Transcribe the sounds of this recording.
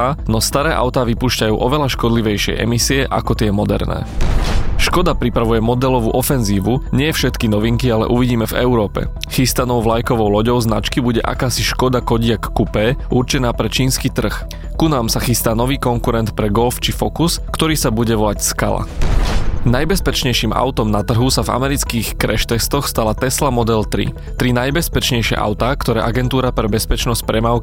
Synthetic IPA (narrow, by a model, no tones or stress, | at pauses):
anɔst̪aɾɛːʔa̰ʊt̪aːʋipuːʃcajṵːʔɔʋɛlaʃkɔd̪liʋɛjʃɪɛ̰ʔɛ̰misiɛʔa̰kɔt̪ɪɛmɔd̪ɛ̰ɾnɛ̰ː | ʃkɔd̪apɾipɾaʋujɛmɔd̪ɛlɔʋṵʔɔfɛnziːʋuɲɪɛjɛfʃɛt̪kinɔʋiŋkialɛ̰ʔuʋiɟiːmɛvɛ̰uɾɔːpɛ̰ | xist̪anɔʊʋlajkɔʋɔʊlɔɟɔʊznat͡ʃkibuɟɛʔa̰kaːsiʃkɔd̪akɔɟɪakːupɛːʔuɾt͡ʃɛnaːpɾɛt͡ʃiːnskiːt̪r̩x | kunaːmsaxist̪aːnɔʋiːkɔŋkuɾɛnt̪pɾɛɡɔlft͡ʃifɔkuskt̪ɔɾiːsabuɟɛʋɔlacska̰la̰ | najbɛspɛt͡ʃɲɛjʃiːmʔa̰ʊt̪ɔmnat̪r̩ɦusava̰mɛɾit͡skiːxkɾɛ̰ʃt̪ɛst̪ɔxst̪alat̪ɛslamɔd̪ɛlt̪ɾḭ | t̪ɾinajbɛspɛt͡ʃɲɛjʃɛ̰ʔa̰ʊt̪aːkt̪ɔɾɛːʔaɡɛnt̪uːɾapɾɛbɛspɛt͡ʃnɔsc̚pɾɛmaːʊk